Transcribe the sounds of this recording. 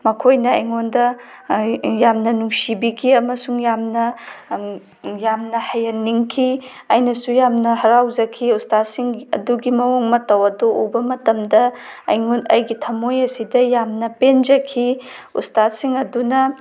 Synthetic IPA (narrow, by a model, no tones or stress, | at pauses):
mɐkʰojnɐɐjŋondɐ | jamnɐnuŋsibikʰiɐmɐsuŋjamnɐ | jamnɐhɐjɐnːiŋkʰi | ɐjnɐsujamnɐhɐɾawd͡ʒɐkʰiustat̚siŋɐ̰duɡimɐoŋmɐtɐwɐdoʔobɐmɐtɐmdɐɐ̰jŋonɐjɡitʰɐmojɐsidɐjamnɐpend͡ʒɐkʰiutstat̚siŋɐdunɐ